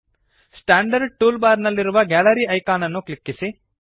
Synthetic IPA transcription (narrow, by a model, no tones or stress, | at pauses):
sʈaːɳɖɐɾɖ̚ʈuːlbaːɾnɐlːiɾuʋɐɡaːlɐɾiːɐjkaːnɐnːuklikːisi